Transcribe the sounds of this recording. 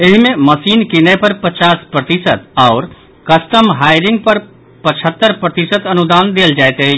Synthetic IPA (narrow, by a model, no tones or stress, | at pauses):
ɪɦmẽmɐsiːnkɪnepɐɾpɐt͡ʃaːspɾɐt̪ɪsət̪ɔːɾ | kɐsʈəmɦaːɪɾɪ̃ŋɡ̚pɐɾ | pɐt͡ʃʰət̪ːəɾpɾɐt̪ɪsət̪ɐnʊd̪aːnd̪eːld͡ʒaːjt̪eɦɛ